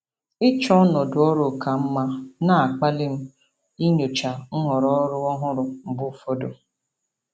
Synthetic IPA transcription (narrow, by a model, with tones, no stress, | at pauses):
ɪ˦t͡ʃɔ˦nɔ˨dʊ˨ɔ˦ɾo˨ka˨m̩˦ma˦na˦˨a˨k͡pa˦lɪ˦m̩˦ | i˦ɲo˨t͡ʃa˨ŋ̩˦ŋɔ˨ɾɔ˦ɾʊ˦ɔ˦ɦʊ˦ɾʊ˨m̩˨bʊ˦fo˦do˨